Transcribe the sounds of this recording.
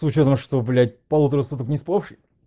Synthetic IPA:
sʊt͡ɕot̪əmʂt̪oblʲat̚ʲpɐlˠut̪əɾəsut̪əknʲɪspopʂɨ

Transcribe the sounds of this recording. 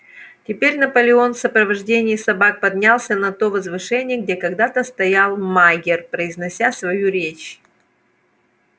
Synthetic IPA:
tʲɪpʲeɾʲnɐpəlʲɪo̞nfsəpɾəvɐʐdʲenʲɪisɐbak̚pɐd̪ʲnʲalˠsʲənɐt̪o̞vəzvɨʂɛnʲɪjəɡ̚dʲekɐɡd̪at̪əst̪ɐjalˠmaɡʲɪrpɾəɪznɐsʲasvɐjuɾʲet͡ɕ

